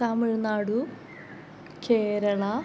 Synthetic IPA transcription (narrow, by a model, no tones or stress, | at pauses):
aːmɨɻnaːɽu | keːɾɐɭɐ